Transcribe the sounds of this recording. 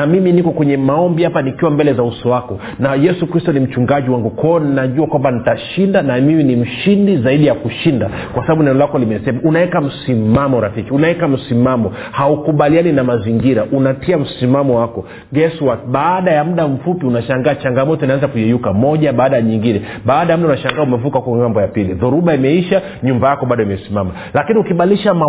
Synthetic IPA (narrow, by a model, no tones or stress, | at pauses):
namiminikɔkwɛɲɛmaɔmbihapanikiwambɛlɛzausɔwakɔ | najɛsukɾistɔnim̩t͡ʃuŋɡaʄiwaŋɡukɔːninaʄuakwambanitaʃindanamiminim̩ʃindizaiɗijakuʃinda | kwasaɓaɓunɛnɔlakɔlimɛsɛmaʔunaɛkam̩simamɔɾafikiunaɛkam̩simamɔ | haukuɓalianinamaziŋɡiɾaʔunatiam̩simamɔwakɔ | ɡɛsiwaɓaːɗajamuɗam̩fupiunaʃaŋɡaːt͡ʃaŋɡamɔtɔinaanzakujɛjukamɔʄaɓaːɗajaɲiŋɡinɛ | ɓaːɗajam̩ɗaunaʃaŋɡaːumɛvukahukɔŋambɔjapiliðuɾuɓaimɛiʃa | ɲumbajakɔɓaɗɔimɛsimama | lakiniukiɓaliʃama